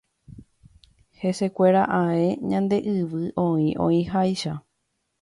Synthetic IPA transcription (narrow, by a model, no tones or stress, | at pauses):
he̞se̞kʷe̞ɾaʔãẽɲãnd̪e̞ʔɨʋɨʔõĩʔõ̰ĩɦajʃa